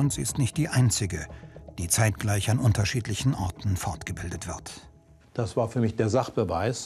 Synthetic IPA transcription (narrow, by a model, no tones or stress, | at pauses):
ʊntz̥iːɪstnɪçt̚d̥iːʔaɪnt͡sɪɡəd̥iːt͡saɪtɡ̥laɪçanʔʊntɐʃiːtlɪçn̩ʔɔʁtn̩fɔɐtɡ̥əbɪldətv̥ɪɐt | d̥asv̥aːɐfyːɐmɪçd̥eːɐzaχb̥əva̰ɪs